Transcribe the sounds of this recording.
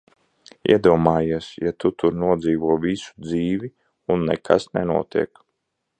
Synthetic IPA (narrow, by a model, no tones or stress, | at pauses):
ḭɛd̪uɔmaːjiɛsjat̪ut̪uɾnuɔd̪ziːʋuɔvʲisu̥d̪ziːvʲi | unːɛ̰kʰa̰snɛnṵɔt̪ḭɛk